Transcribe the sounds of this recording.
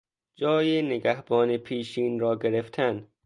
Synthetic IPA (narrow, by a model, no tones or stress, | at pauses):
d͡ʒɒːjeneɡæhb̥ɒːnepʰiːʃiːnɾɒːɡeɾeft̪ʰæn